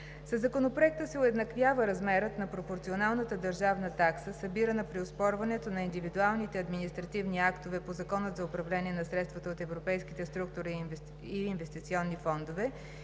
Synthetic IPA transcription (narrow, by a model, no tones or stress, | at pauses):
səzːɐkonopɾoɛk̚t̪əsɛʊɛd̪nɐkvʲjavəɾɐzmɛɾət̪nɐpɾopoɾt̪sionalˠnət̪əd̪ɐɾʒavnət̪aksəsɐbiɾənəpɾiospɔɾvɐnɛt̪onɐind̪ivid̪ualˠnit̪ɛɐd̪minist̪ɾɐt̪ivniakt̪ovɛpozɐkɔnət̪zɐopɾɐvlɛniɛnɐsɾɛt̪st̪vɐt̪əot̪ɛvɾopɛjskit̪ɛst̪ɾuk̚t̪ʊɾi | iːnvɛst̪it̪siɔnːifɔnd̪ovɛ